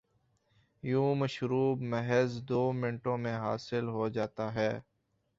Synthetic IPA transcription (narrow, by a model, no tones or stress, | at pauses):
jũːməʃɾuːbməɦɛzd̪oːmɪ̃ɳʈõmẽɦaːsɪlɦod͡ʒaːt̪aɦɛː